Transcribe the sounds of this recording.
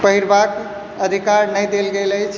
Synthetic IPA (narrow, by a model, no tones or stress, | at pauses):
pəɦiɾbak | əd̪ʱikaɾnəjd̪elɡeləjt͡ʃʰ